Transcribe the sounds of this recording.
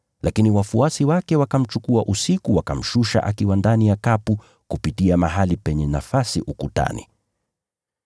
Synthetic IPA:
lʔakiniwafuasiwakɛwakam̩t͡ʃukuaʔusikuwakam̩ʃuʃa̰ʔakiwandanijakapu | kupitiamaɦalipɛɲɛnafasiʔukuta̰nḭ

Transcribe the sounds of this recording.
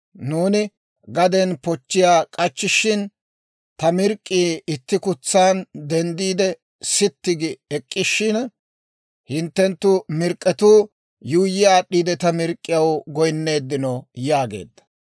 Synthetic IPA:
nuːnɪ | ɡɐd̪ɛnpɔt͡ʃːɪjaːkʼɐt͡ʃːɪʃɪn | t̪ɐmɪɾkʼːiːɪt̪ːɪkʊt͡sːaːnd̪ɛnd̪iːd̪ɛ | sɪt̪ːɪɡɪɛkʼːɪʃːɪn | hɪnt̪ːɛnt̪ːʊmɪɾkʼːɛt̪uː | juːjːɪjaːɗːiːd̪ɛt̪ɐmɪɾkʼːɪjɐwɡɔjnːe̞ːd̪ːɪnɔjaːɡe̞̰ːd̪ːɐ̥

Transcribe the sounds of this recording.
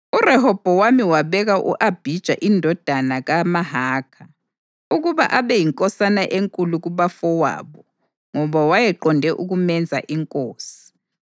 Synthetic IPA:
urɛɦɔb̥ʱɔwamiwaβɛɣaʔṵʔab̥ʱid̥ʒ̥ʱa̰ʔindʱɔd̥ʱanaɣamaɦaːkʰa | uɣuβa̰ʔaβɛjiŋkʼɔsanaʔeŋkʼuluɣuβafɔwa̰ːβɔ | ŋɔβawajɛǃɔndʱɛʔuɣumɛnd͡zʱa̰ʔiŋkʼoːsi̥

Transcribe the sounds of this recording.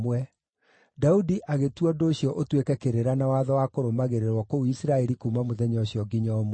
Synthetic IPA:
wɛ | daudiʔaɣetwɔdoːɕjɔʔotwekɛkeɾeɾanawaðɔwakoɾomaɣeɾeɾwɔkouisiɾaɛɾikuːmamoðɛɲɔɕijɔɡiɲaɔm

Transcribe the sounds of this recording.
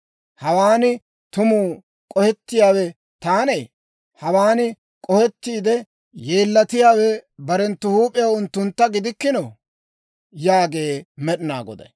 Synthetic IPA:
hɐwaːnɪ | t̪ʊmuː | kʼɔhɛt̪ːɪjaːwɛ | t̪aːneː | hɐwaːnɪ | kʼɔhɛt̪ːiːd̪ɛ | jeːlːɐt̪ɪjaːwɛbɐɾɛnt̪ːʊhuːpʼɪjɐwʊnt̪ːʊnt̪ːɐɡɪd̪ɪkːɪnɔ | jaːɡe̞ːmɛɗɪna̰ːɡɔ̰d̪ɛ̰

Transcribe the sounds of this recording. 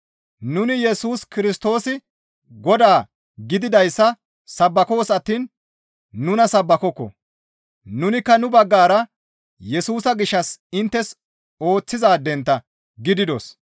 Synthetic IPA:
nʊnɪjɛsuːskɪɾɪst̪o̞ːsɪ | ɡɔd̪aː | ɡɪd̪ɪd̪ɐjsːɐ | sɐbːɐko̞ːsɐt̪ːiːnː | ʊnɐsɐbːɐkɔkːɔ̰ | nʊnɪkːɐnʊbɐɡːaːɾɐ | jɛsuːsɐɡɪʃːɐsɪnt̪ːɛs | o̞ːt͡sːɪzaːd̪ɛnt̪ːɐ | ɡɪd̪ɪd̪o̰s

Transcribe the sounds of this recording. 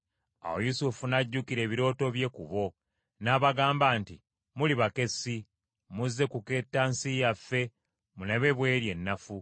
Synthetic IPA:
a̰wo̰jusufunaɟːukiɾe̞ːβiɾo̞ːto̞βje̞ːkuβo̞ | naːβaɡaːmbaːnti | muliβake̞si | muzːe̞kuke̞ːtːansijafe̞ | muneβe̞βwe̞ːɾje̞nːafu

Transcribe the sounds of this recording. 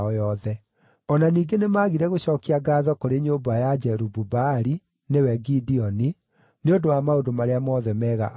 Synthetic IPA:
ɔjɔðɛ | ɔnaniːɡenemaːɣiɾɛɣoɕɔːkiaɡaːðɔkoɾeɲobajad͡ʒɛɾububaɾi | newɛɡidiɔni | neondowamaodomaɾeamɔðɛmɛːɣa̰ʔ

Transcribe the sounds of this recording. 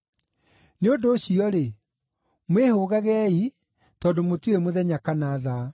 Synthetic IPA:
neondoːɕiɔɾe | mwehoɣaɣɛi | tɔːdomotuemoðɛɲakanaːða

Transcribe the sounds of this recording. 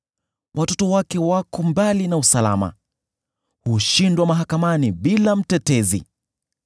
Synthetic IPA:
wʔatɔtɔwakɛwakɔmbalinausalama̰ | huʃindwamaɦakamaniɓilam̩tɛtɛzḭ

